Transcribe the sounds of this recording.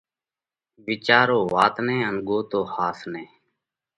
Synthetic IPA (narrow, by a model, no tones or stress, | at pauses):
ʋɪt͡ʃaːɾoːʋaːt̪nẽːənɡoːt̪oːhaːsneː